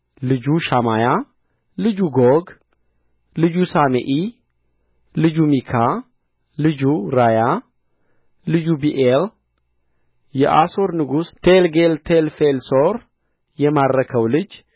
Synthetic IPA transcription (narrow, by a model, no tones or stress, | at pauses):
lɨd͡ʒuʃamaja | lɨd͡ʒuɡoɡ | lɨd͡ʒusamḛʔi | lɨd͡ʒumikʰa | lɨd͡ʒuɾaja | lɨd͡ʒubiʔel | jɛ̰ʔaso̞ɾnɨɡust̪ʰelɡelt̪ʰelfelsoɾ | jɛmadɾəkʰəwlɨd͡ʒ